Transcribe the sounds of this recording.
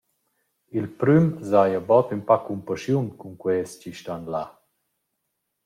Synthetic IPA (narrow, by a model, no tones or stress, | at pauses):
ilpɾymzajabɔt̪ympakumpaʃjunkuŋkwɛst͡ɕiʃtanla